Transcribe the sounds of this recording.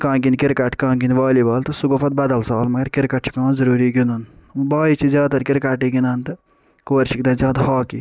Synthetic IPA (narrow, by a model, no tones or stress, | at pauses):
kãːkinkɪɾkɐʈʰkãːɡinʋaːlibaːlt̪ɐsuɡopʰɐt̪̚bɐd̪ɐlsaːlmɐɡɐɾkɪɾkɐʈ̚t͡ʃʰi̥kãːnzɐɾuːɾiːɡinunbaːit͡ʃʰizjaːt̪ɐɾkɪɾkaʈiɡinaːnt̪ɨ | koːɾʃʰik̚d̪ɐ̃ːzʲjaːd̪haːki